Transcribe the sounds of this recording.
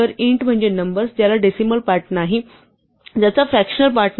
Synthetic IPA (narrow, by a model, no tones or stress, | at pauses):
əɾiɳʈm̤əɳd͡ʑenəmbəɾst̪jalaɖisiməlpaɾʈnaɦi | d͡ʑat͡safɾækɕənəlpaɾʈn